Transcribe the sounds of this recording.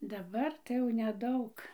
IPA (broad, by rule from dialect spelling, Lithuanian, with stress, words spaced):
dɐˈbɐr tɐɪ jɛʊ nʲɛˈdɐʊk